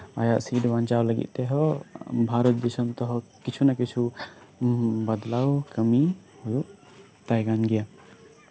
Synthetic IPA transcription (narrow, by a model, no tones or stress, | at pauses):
a̰jaʔsiɖʋãnt͡ʃawləɡḭt̪t̪eɦɔbʱaɾət̪̚d̪isəmt̪ɔɦɔkit͡ʃʰunakit͡ʃʰu | bəd̪laukəmi | ɦuju | t̪ajɡanɡija